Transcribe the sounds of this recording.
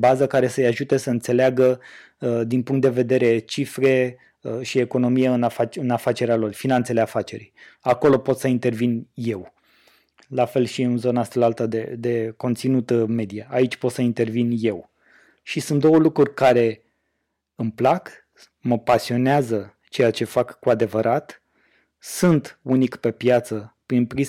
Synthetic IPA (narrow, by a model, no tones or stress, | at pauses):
bazəkaɾe̞səjaʒut̪e̞səɨnt̪se̞leaɡə | d̪inpuŋkt̪d̪e̞ve̞d̪e̞ɾe̞t͡ʃifɾe̞ | ʃieko̞no̞mijeɨnafat͡ʃɨnafat͡ʃe̞ɾealo̞rfinant̪se̞leafat͡ʃe̞ɾḭjako̞lo̞po̞t̪səint̪e̞rvinje̞w | lafe̞lʃiɨnzo̞naast̪alalt̪ad̪ed̪e̞ko̞nt̪sinut̪me̞d̪ijaait͡ʃʲpo̞t̪səint̪e̞rvinje̞w | ʃisunt̪̚d̪o̞wəlukɾurʲkaɾe̞ | ɨmplak | məpasio̞neazə | t͡ʃe̞jat͡ʃe̞fakːuad̪e̞vəɾʔat̪ | sunt̪unikpe̞pjat̪səpɾinpɾi